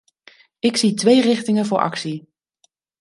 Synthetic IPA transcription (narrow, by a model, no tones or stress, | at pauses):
ɪksitʋejrɪχtɪŋəvʊːɹʔɑ̰ksi